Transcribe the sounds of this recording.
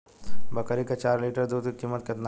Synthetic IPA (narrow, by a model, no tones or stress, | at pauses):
bɐkəɾikat͡ʃaːɾliʈəɾd̪uːd̪kikiːmːət̪ket̪n